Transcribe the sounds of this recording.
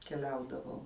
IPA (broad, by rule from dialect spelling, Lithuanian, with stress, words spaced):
kʲɛˈlʲɛʊdɐʋɐʊ